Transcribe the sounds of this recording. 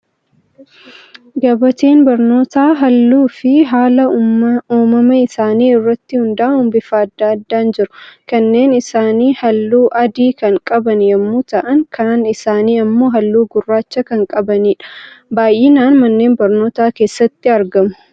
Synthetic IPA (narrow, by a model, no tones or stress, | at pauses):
ɡɐbɐt̪eːnbɐɾno̞ːt̪aːɦɐlːuːfɪɦaːlɐuːmɐmɐɪsaːniːɪrːɐt̪ːɪhʊnd̪ɐʔɐnhʊmbɪfaːɐd̪ːaːɐd̪ːaːnd͡ʒɪɾʊ̥kɐnːe̞ːnɪsaːniːhɐlːuːʔɐd̪iːkɐŋkʼɐbɐnjɐmːuːt̪ɐʔɐŋkʰɐnaːnɪsaːniːɐmːo̞ːɦɐlːuːɡʊrːaːt͡ʃːɐkɐŋkʼɐbɐniːᶑɐ̥baːjʔeːnaːnmɐnːe̞ːnbɐɾno̞ːt̪aːke̞ːsːɐt̪ːɪɐɾɡɐmʊ̥